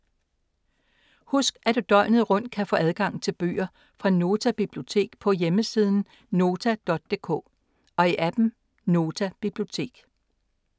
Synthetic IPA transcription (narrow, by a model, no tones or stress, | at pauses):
husɡ̥æd̥ud̥ɒ̽ɪ̰nð̩ˠʁɔ̽n̰d̥̚kʰæfɔ̰ʔæð̞ˠɡ̥ɑ̈ŋ̰t͡sʰe̝lb̥y̰ːɐ | fʁɑ̈no̝ːt͡sʰæb̥ib̥lio̝t͡sʰe̝̰ːɡ̥pʰɒ̽jeməsiːð̞ˠn̩ | no̝ːt͡sʰæd̥ɒ̽d̥̚ːe̝kʰɔ̰ː | ɒ̽iʔæb̥m̩ | no̝ːt͡sʰæb̥ib̥lio̝t͡sʰe̝̰ːɡ̥